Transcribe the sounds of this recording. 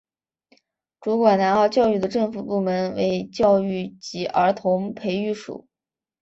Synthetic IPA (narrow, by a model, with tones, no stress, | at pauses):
ʈ͡ʂu˧˥kwa˨˩nna˧˥nxɑ˥˧ʊt͡ɕjɑ˥˧ʊy˥˩d̪ə˩ʈ͡ʂɤ˥˩ŋfu˨˩pu˥˩mə˧˥nwḛ˧˥ɪt͡ɕjɑ˥˧ʊy˥˩t͡ɕi˧˥ʔə˞˧˥t̪ʰʊ˧˥ŋpʰe˧˥ɪy˥˩ʂṵ˨˩˦